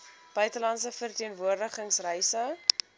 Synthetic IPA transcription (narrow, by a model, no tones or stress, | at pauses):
b̥œɥtəlɐnts̬əfərtiənvuərdəχəŋsrɛjsə